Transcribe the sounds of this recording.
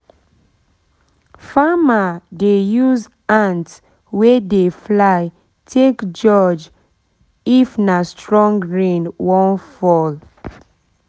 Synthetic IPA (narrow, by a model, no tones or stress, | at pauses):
famadejuz | ãnt | wedeflaɪ | tʰekd͡ʒɔd͡ʒ | ifnastɹɔ̃ŋɡɹĩnwɔ̃nfɔl